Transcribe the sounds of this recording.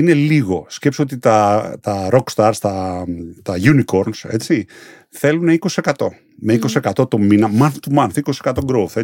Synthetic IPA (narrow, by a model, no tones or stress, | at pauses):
ine̞liɣo̞scepsio̞t̪it̪ɐt̪ɐɾo̞kst̪ɐɾst̪ɐt̪ɐʝuniko̞ɾnse̞̰t͡si | θe̞luneiko̞sie̞kɐt̪o̞ | meikosie̞kɐt̪o̞t̪o̞minɐmɐnθt̪umɐnθiko̞sisekɐt̪o̞ɡɾouθe